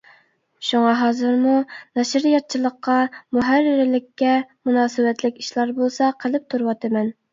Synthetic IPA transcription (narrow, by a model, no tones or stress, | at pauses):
ʃuŋɑɦɑːzɨɾmunɛʃɾɪjɑt̪̚t͡ʃʰilˠəqːɑmuɦæɾːɪɾɪlɪkʲːɛmunɑːsɪbɛt̪lɪkʲi̥ʃlˠɑɾbolˠsɑqʰəlɪp̚t̪ʰuɾwɑt̪ɪmɛn